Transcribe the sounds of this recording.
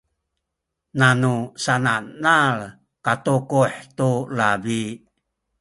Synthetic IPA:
nanusananaɭ | katukuħtulabi

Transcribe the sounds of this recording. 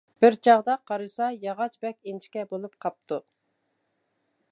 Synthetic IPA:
b̥ɪɾt͡ʃʰɑʁd̪ɑqʰɑɾɨsɑjɑʁɑt͡ʃbɛkʲent͡ʃʰkʲɛbolˠupqʰɑp̚t̪ʰu

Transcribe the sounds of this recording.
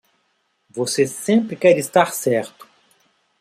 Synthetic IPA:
vosesẽmpɾɪkɛɾɪst̪aɾsɛɾt̪ʊ̥

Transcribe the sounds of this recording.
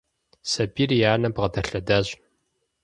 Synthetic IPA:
sɐbiːrjaːnɐbʁɐdɐɬɐdaːʑ

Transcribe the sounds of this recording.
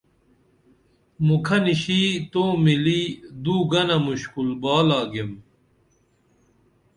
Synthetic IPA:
mukʰɐniɕiːt̪oːmilid̪uːɡɐnɐmuɕkulbaːlaːɡem

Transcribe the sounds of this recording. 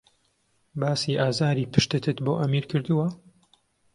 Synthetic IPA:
baːsiʔaːzaːɾiːpɨʃt̪ɨt̪ɨt̪boːʔɐmiːɾkɨɾd̪uwɐ

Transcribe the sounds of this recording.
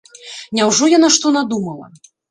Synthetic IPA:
nʲawʐɔjanaʂt̪ɔnad̪umɐlˠɐ̰

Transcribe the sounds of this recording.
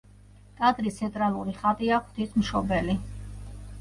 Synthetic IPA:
kʼad̪ɾist̪sʰɛnt̪ʼɾalˠuɾiχat̪ʼiakʰt̪ʰisʰmʃɔbɛli

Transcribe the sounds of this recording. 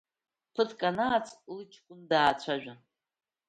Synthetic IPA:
pʰɨtʰkʼanaːt͡sʰʼlɨt͡ʃʰkʷʼʊndaːt͡ɕʷʰaʒᶣa

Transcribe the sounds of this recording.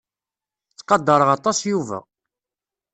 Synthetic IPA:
t͡sːqɑd̪ːɑɾˤəʁɑt̪ˤɑsjuvæ̰

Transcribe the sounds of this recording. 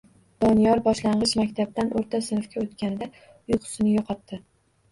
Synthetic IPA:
d̪̥ɒnijɒɾbɒʃlaɴʁɨʃmakʲt̪ʰab̚d̪anʔoɾt̪ʰasɪnfkʲaot̪kʲanɪd̪a | ʊjqʰʊ̥sɪnɪjɒqʰɒt̪ːɪ

